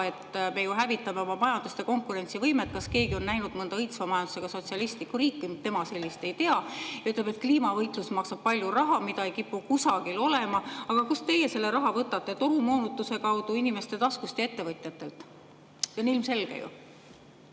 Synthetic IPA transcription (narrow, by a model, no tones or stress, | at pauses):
e̞t̪ːme̞juɦævit̪ːˑɑme̞omɑmɑjɑnd̪̥ust̪e̞ko̞ŋkˑuɾe̞nʲt̪sivɤjmet̪̚kɑske̞ːɡio̞nːæjnud̪̥mɤnd̪ɑɤjt̪svɑmɑjɑnd̪̥useɡ̥ɑso̞t̪ʲsiɑlist̪likːuɾiːkˑːimt̪ːe̞mɑse̞lʲːist̪e̞jt̪e̞ɑjɑyt̪ːˑlebe̞t̪̚kliːmɑvɤjt̪ˑlusmɑksɑb̥̚pɑlʲjurɑɦɑmid̪ɑejkipːukusɑkilo̞lemɑɑɡ̥ɑkust̪e̞jːe̞se̞lːe̞ɾɑɦɑvɤt̪ːˑɑt̪ːˑe̞t̪o̞ɾumo̞ːnut̪ːuse̞kɑwd̪̥uinʲime̞st̪e̞t̪ɑskust̪jɑe̞t̪ːe̞vɤt̪ˑjɑt̪ːˑe̞lt̪ | onilmse̞lɡ̥ḛjṵ